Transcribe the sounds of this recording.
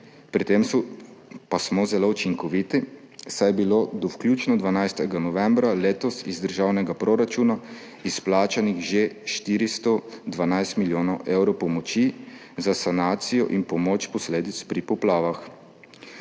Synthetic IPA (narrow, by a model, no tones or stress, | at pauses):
pɾit̪emsɔpasmɔzɛlout͡ʃiŋkɔʋit̪i | sajbilod̪ɔwkljuːt͡ʃnɔd̪ʋanajst̪ɛɡanɔʋɛmbɾaleːt̪ɔsizd̪əɾʒawnɛɡapɾoɾat͡ʃuːna | isplaːt͡ʃanixʒeʃt̪iːɾist̪ɔd̪ʋanajst̪miljoːnɔwʔewɾɔwpɔmɔt͡ʃi | zasanaːt̪sijɔʔinpɔmoːt͡ʃpɔsleːd̪it̪spɾipɔplaːʋax